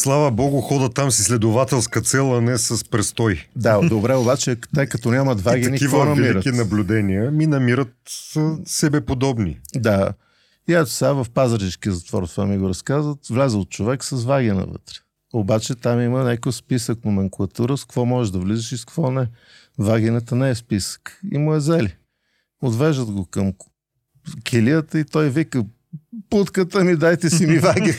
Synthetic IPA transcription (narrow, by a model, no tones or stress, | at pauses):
slˠavəbɔɡʊxɔd̪ət̪amsislɛd̪ʊvat̪ɛlˠskət̪sɛlˠɐnɛsɐspɾɛst̪ɔjd̪ad̪obɾɛobat͡ʃɛt̪ɛjkɐt̪ɔnʲamɐt̪vaɡʲinikivvɔnɐmiiɾətkinɐblʲʊd̪ɛniəminɐmiɾət̪zəsɛbɛpod̪ɔbnḭd̪a | iat̪sɛavɐfpazəɾʒiskiəzɐt̪vɔ̰ɾt̪vamiɡʊɾɐskazvət̪vlʲɛzəot̪̚t͡ʃovɛksɐzvaɡʲinɐ̰və̰t̪ɾɛ̥ | obat͡ʃɛt̪amimənɛkojspisək̚nomɛŋkulˠɐt̪uɾəskvɔmɔʒɛʒd̪ɐvlizɛʃiskvɔnɛ | vaɡʲinət̪ənɛɛspisə̥kḭmʊɛzɛli | od̪vɛʒd̪əd̪ɡokəm | kʰʲɛlijət̪əit̪ɔjvikə | put̪kət̪əmid̪ajt̪ɛsimivaɡʲi